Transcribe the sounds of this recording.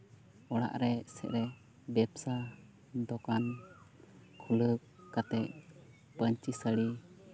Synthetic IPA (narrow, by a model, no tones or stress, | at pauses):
ɔɽa̰ʔɾɛsɛ̰ʔɾɛ | bɛpsa | d̪ɔkan | kʰuləkkːat̪ɛʔ̚ | pəɲt͡ʃisəɽi